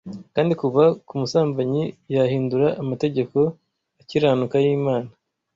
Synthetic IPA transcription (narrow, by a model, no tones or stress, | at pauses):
kaːndikuβakumusaːmbaɲijahiːnduɾaʔːmate̞ɟe̞ko̞ | aciɾaːnukajiːmaːna